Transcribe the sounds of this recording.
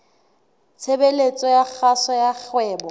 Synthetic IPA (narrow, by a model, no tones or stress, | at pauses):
t͡sʰebelet͡sʼɔjak͡xasɔjak͡xwɛːbɔ